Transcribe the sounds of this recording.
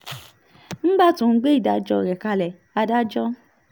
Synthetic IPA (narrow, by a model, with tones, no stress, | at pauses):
n̩˦ba˦˨tũ˨n̩˦ɡ͡be˦i˦˨da˨˦d͡ʒɔ˧˨ɾɛ˨ka˧lɛ˨ | a˧da˦d͡ʒɔ˦